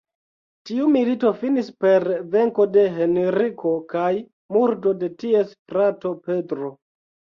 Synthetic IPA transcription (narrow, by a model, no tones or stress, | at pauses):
tiumilito̞finispe̞ɾve̞ŋko̞de̞ɦe̞neɾikʰo̞kaj | muɾdo̞de̞tie̞sfɾato̞pe̞dɾo̞